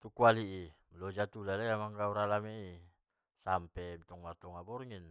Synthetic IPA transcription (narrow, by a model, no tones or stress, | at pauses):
t̪ukualiʔi | lod͡ʒat̪ulalajamaŋɡauɾalamei | sampɛmt̪ɔŋmat̪ɔŋabɔrŋin